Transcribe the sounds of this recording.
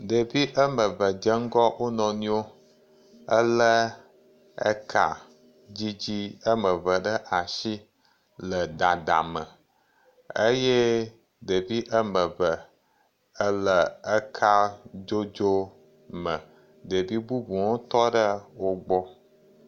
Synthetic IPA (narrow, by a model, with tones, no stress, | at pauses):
ɖə˨vi˦ʔə˦mə˨və˨d͡ʒə˦ŋ̩˦ɡɔ˦ʔo˦nɔ̃˨nĩ˦o˦ | ə˦lə˦ | ə̰˦kʰa̰˨ | d͡ʑi˦d͡ʑi˦ə˦mə˨və˨ɖə˦ʔa˨ʃi˦ | lə˨da˨ɖ̪a̰˨mə˨ | ə˦je˦ | ɖə˨vi˦ʔə˦mə̃˨və˨ | ə˦lə˦ə˦kʰa˦d͡ʒo˦d͡ʒo˦ | mə̃˨ | ɖə˨vi˦bu˦bu˨wo˦t̪ɔ˦ɖə˦wo˦ɡ͡bɔ˦